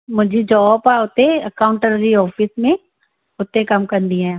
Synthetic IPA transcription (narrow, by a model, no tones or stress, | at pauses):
mʊd͡ʒʱid͡ʒɔːpaʊt̪ːeɐkaːʊ̃ɳʈəɾɾiɔːfʰismẽ | ʊt̪ːẽkɐmkəɾnd̪iɛ̃ː